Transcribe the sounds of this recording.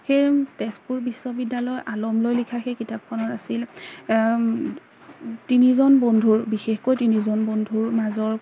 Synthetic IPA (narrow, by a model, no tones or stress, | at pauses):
xejtɛspuɹbiswɔbidːalɔjʔalɔmlojlikʰaxɛkitap̚xʰɔnɔtasil | tinizɔnbondʱuɹbixexkojtinizɔnbondʱuɹmazɔɹ